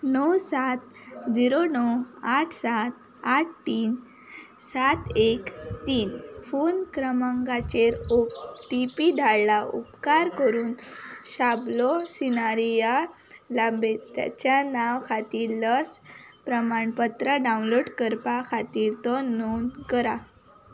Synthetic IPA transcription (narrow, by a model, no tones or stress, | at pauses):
nɔwsat̪̚ | d͡ziɾonɔwaʈʰsat̪ | aʈʰtiːn | sat̪ekt̪iːnfonkɾəmaŋɡat͡ɕeɾokʈipid̪ʱaɭlaʔṵpkaɾkəɾuːnɕablɔsinaɾija | labet̪ja̰t͡ɕjanaʋkʰat̪iːɾləspɾəmaɳpət̪ɾəɖawnloɖkəɾpakʰat̪iːɾt̪ɔnonkəɾa